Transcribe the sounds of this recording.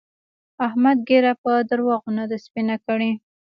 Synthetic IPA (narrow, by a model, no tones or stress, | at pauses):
ahmad̪̚ɡeɾapəd̪aɾwɑɣunad̪aspinakəɽi